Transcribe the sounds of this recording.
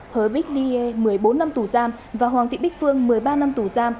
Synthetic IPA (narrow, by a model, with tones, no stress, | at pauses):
həː˨˩jɓï˦˥k̟̚li˧e˧mɨ˨˩əjɓo˨˦nːa˧mt̪u˧˩zaː˧m | vaː˨˩ɦwaː˨˩ŋt̪ʰḭ˧˨ɓi˦˥k̚fɨ˧əŋmɨ˨˩əjɓaː˧na˧mt̪u˧˩zaː˧m